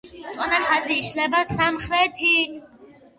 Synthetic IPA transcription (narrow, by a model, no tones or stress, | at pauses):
t͡s̪ʼɔnaχaziːʃlɛbasamχɾɛt̪ʰikʰʼ